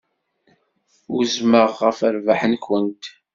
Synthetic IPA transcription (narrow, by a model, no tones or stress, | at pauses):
ʊzməʁːəfəɾvaħənkʷːənt̪